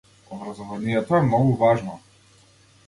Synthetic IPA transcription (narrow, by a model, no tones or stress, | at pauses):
ɔbɾazɔvanijɛt̪ɔɛmnɔɡuvaʒnɔ